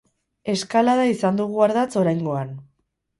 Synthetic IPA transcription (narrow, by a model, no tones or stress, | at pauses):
e̞skalaðaisand̪uɣ̞uaɾðat͡so̞ɾajŋɡo̞an